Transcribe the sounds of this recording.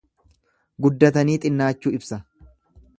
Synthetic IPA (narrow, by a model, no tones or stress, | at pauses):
ɡʊd̪ːɐt̪ɐniːt̪ʼɪnːaːt͡ʃːuːɪbsɐ